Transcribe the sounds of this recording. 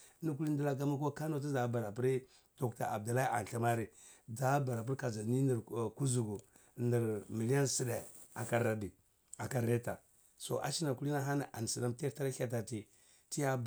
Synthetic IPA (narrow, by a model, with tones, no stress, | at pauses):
nu˦k̬u˦li˦ndi˦la˦k̬a˦ma˦k̬o˦ka˦no˨t̬i˦za˨˦ba˨ɾa˨pu˦ɾi˦ | to˨kta̰˨a˨b̚da˨la˦i˦a̰˨n˨ɬa˦ma˦ɾi˦ | da˨˦ba˨ɾa˨p̬u˦ɾka˨d͡ʒa˨ni˦ni˨ɾku˦zu˨ɡu˨ | ni˨ɾmi˨li˦a˦nsi˦de˨ | a˨ka˨ɾa˨di˨ | a˨ka˨ɾe˦ta˨ | so̰˨ʔa̰˦ʃi˦na˨ku˦li˦na˦ɦa˦na˨ʔa˨n˨si˨da˦mte˦ta˦ɾa˦a˨t̬a˨ti˨ | ti˦ja˦